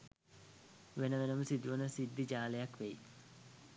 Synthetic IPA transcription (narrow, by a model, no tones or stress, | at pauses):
ʋenəʋenəməsid̪uʋənəsid̪ːid͡ʒaːlejakʋej